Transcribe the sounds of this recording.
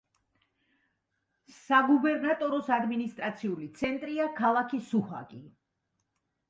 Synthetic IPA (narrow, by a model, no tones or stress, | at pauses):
ssaɡubɛɾnat̪ʼɔɾɔsad̪minist̪ʼɾat̪sʰiulit̪sʰɛnt̪ʼɾiakʰalˠakʰisuha̰ɡʼi